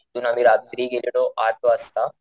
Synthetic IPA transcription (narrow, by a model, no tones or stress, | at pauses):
t̪unamiɾaːt̪ɾiːɡeljɐɽoːʔaːɾt̪ʋaːst̪aː